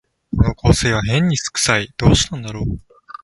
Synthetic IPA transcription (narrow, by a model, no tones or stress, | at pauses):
so̞no̞ko̞ːse̞ːβ̞aɦẽ̞ɲ̟ːisɨ̥kɯ̟̥said̪̥o̞ːɕi̥t̪ãnd̪aɾo̞ː